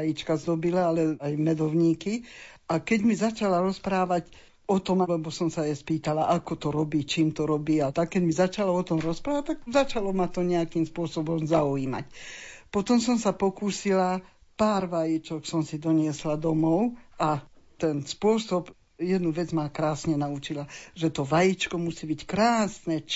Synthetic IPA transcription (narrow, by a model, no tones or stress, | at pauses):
ajit͡ʃkazd̪ɔbilaalɛajmɛd̪ɔʊɲiːki | akɛɟmizat͡ʃalaɾɔspɾaːʋac | ɔt̪ɔmalɛbɔsɔmsajɛspiːt̪alaʔakɔt̪ɔɾɔbiːt͡ʃiːmt̪ɔɾɔbiːat̪akːɛɟmizat͡ʃalaɔt̪ɔmɾɔspɾaːʋac̚ʲt̪aɡzat͡ʃalɔmat̪ɔɲɛakiːmspʊɔsɔbɔmzauiːma̰cpɔt̪ɔmsɔmsapɔkuːsila | paːɾʋajit͡ʃɔksɔmsid̪ɔɲɪɛslad̪ɔmɔʊat̪ɛnspʊɔsɔb | jɛd̪nuʋɛd͡zmakɾaːsɲɛnaut͡ʃilaʒɛt̪ɔʋajit͡ʃkɔmusiːbickɾaːsnɛ